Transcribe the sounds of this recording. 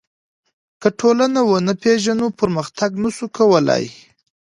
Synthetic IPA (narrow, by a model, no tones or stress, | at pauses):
kəʈʰolanawənəpeʒanopəɾməxt̪aɡnasukawəla̰j